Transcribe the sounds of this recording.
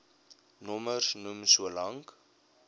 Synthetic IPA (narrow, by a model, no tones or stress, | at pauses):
nɔməsnumsuəlɐŋk